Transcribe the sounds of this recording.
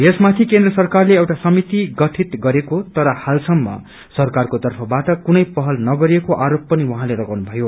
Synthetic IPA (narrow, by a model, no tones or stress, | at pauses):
jesmat̪ʰikend̪rʌsʌrkarleewʈasʌmit̪iɡʌʈʰit̪ɡʌɾekot̪ʌɾʌhalsʌmːʌ̰ | sʌrkarkot̪ʌrpʰʌbaʈʌkunʌjpʌɦʌlnʌɡʌɾiekoʔaɾopːʌniwuɦãleɾʌɡawnubʱʌjo